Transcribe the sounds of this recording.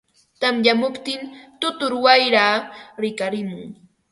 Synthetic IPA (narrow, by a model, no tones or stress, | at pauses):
t̪amʎamʊpt̪ɪnt̪ʊt̪ʊɾwajɾaːɾɪkaɾɪmʊŋ